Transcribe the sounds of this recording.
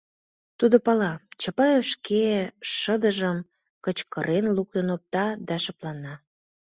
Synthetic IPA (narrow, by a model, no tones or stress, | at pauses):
t̪ud̪opɑlɑt͡ɕəpɑefʃkeʃəd̪əʒəm | kə̆t͡ɕkəɾʔenluk̚t̪ənop̚t̪ɑd̪ɑʃɤ̆plɑnɑ